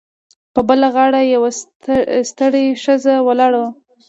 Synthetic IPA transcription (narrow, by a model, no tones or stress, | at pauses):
pəbəlaɣɑɽajawa | st̪əɽeʂəzawalɑɽawa